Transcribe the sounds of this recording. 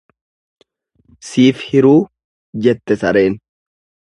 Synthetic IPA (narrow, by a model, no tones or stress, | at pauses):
siːfhɪɾuː | d͡ʒɛt̪ːɛsɐɾe̞ːn